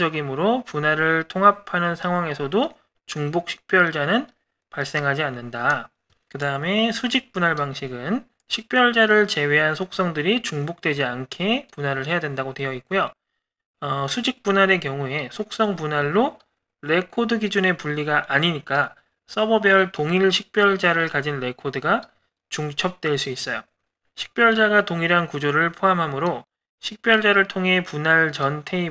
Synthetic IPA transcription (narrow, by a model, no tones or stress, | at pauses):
ʌɡimɯɾopunɦaɾɯɭtʰoŋɦapʰanɯnsʰaŋɦwaŋe̞sʰʌdo | t͡ɕuŋbok̚ɕʰi̥k̚p͈jʌɭd͡ʑanɯn | paɭs͈e̞ŋɦad͡ʑianːɯnda | kɯdaɯme̞sʰud͡ʑik̚p͈unaɭbaŋɕʰiɡɯn | ɕʰik̚p͈jʌɭd͡ʑaɾɯɭt͡ɕe̞we̞ɦansʰok̚s͈ʌŋdɯɾit͡ɕuŋbok̚t͈we̞d͡ʑiankʰe̞punɦaɾɯɭɦe̞jadwe̞ndaɡotwe̞jʌit̚k͈ujo | ʌsʰud͡ʑik̚p͈unɦaɾe̞kjʌŋue̞sʰok̚s͈ʌŋpunɦaɭːo | ɾe̞kʰodɯɡid͡ʑune̞puʎːiɡaʔaɲiɲik͈a | s͈ʌbʌbjʌɭtoŋiɭɕʰik̚p͈jʌɭd͡ʑaɾɯɭkad͡ʑinɾe̞kʰodɯɡa | t͡ɕuŋt͡ɕʰʌp̚t͈we̞ɭs͈uis͈ʌjo | ɕʰi̥k̚p͈jʌɭd͡ʑaɡatoŋiɾɦankud͡ʑoɾɯɭpʰoɦamɦamɯɾo | ɕʰik̚p͈jʌɭd͡ʑaɾɯɭtʰoŋɦe̞punaɭt͡ɕʌntʰe̞i